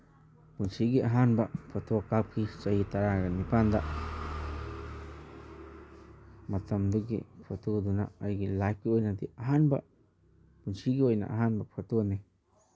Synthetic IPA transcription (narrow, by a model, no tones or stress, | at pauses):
punt͡ʃiɡiʔaɦanbaʔpʰat̪uakap̚kit͡ʃajit̪aɾaɡanipand̪a | mat̪amd̪uɡḛpʰat̪ud̪unaʔajɡilakiojnad̪iʔaɦanba̰ | punt͡ʃiɡiwojnã̰ʔa̰ɦanbapxat̪uani